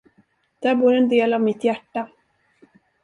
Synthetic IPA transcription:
d̪̥æːɾbuːɾɛnd̪eːlavmɪt̪jæʈːa

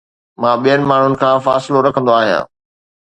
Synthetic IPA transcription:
mãːɓijənɪ̆maːɳ̤ʊnɪ̆kʰãːfaːsɪloɾɐkʰə̃nd̪oaːɦijã̰ː

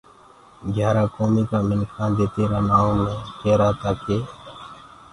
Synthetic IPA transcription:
ɡʱjaːɾaːkoːmiːkaːmɪnkʰãːd̪eːt̪eːɾaːnaːõmẽːkeːɾaːt̪aːkeː

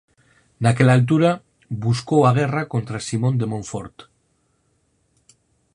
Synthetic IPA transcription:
nake̞lalt̪̬uɾa | βusko̞waɣ̞e̞rako̞nt̪ɾasimo̞nd̪e̞mõ̞ɱfo̞ɾt̪

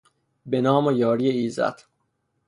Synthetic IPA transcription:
benɒːmojɒːɾijeiːzæ̰t̪ʰ

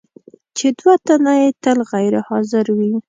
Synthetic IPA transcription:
t͡ʃed̪wat̪anajet̪əlɣajɾɪhɑzɪɾwi

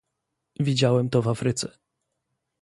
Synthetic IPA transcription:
vʲid͡ʑawɛmt̪ɔvafɾɘt̪sɛ

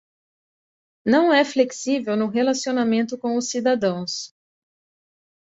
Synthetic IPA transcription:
nɐ̃w̃ɛfleksivewnʊɦelasionamẽnt̪ʊkõw̃ʊsid̪ad̪ɐ̃w̃s

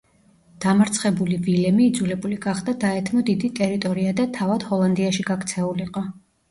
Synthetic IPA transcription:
d̪̥amɾt̪sʰχɛbulivilɛmiːd̪zulɛbuliɡaχd̪ad̪aɛt̪ʰmɔd̪id̪it̪ʼɛɾit̪ʼɔɾiad̪at̪ʰavad̪̥hɔlˠand̪iaʃiɡakʰt̪sʰɛuliqʼɔ

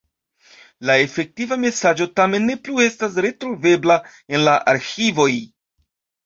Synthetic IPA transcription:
lae̞fe̞k̚tivame̞sad͡ʒo̞tame̞nːe̞plue̞stasɾe̞tɾove̞bla | e̞nlaʔaɾxivo̞j

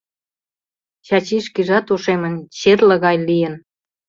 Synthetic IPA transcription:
t͡ɕɑt͡ɕiʃkiʒɑt̪uʃemə̆nt͡ɕerlə̆ɣɑjlijən

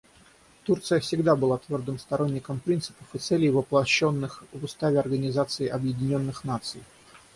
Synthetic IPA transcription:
t̪urt̪sɨjəfsʲɪɡd̪abɨlˠat̪vʲo̞rd̪ɨmst̪ɐɾo̞nʲːɪkəmpɾʲint̪sɨ̥pə̥fɨt̪sɛlʲɪjvəplˠɐɕːo̞nːɨxvʊst̪avʲɪɐrɡənʲɪzat̪sɨɪʔɐbjɪdʲɪnʲo̞nːɨxnat̪sɨj

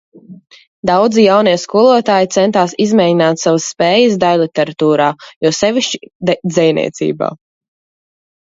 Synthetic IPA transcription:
d̪awd̪zijawniɛskuɔlˠuɔt̪aːjit̪sɛnt̪aːsizmɛjinaːt̪savəsːpɛːjəsd̪ajlˠit̪ɛɾat̪uːɾaːjɔːsɛvʲiʃt͡ʃi̥d̪zɛjnḭɛt̪sḭːba̰ː

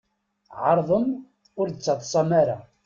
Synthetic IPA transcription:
ʕəɾˤðˤəm | ʊɾd̪ət͡sːɑt̪ˤːsˤɑmaɾa̰

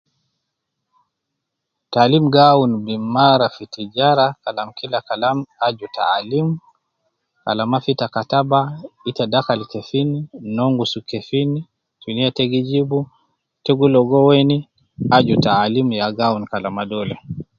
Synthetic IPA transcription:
taːlimɡaunbimmaɾafitid͡ʒaɾakalamkilakalamad͡ʒuta̰ːlimu | ka̰lamafitakatabaitadakalikɛfininɔŋɡusukɛfini | tuniatɛɡid͡ʒibu | tɛɡulɔɡɔwɛni | ad͡ʒutaːlimjaɡaunkalamadɔlɛ

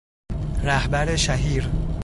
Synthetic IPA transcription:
ɾæhbæɾeʃæɦiːɾ

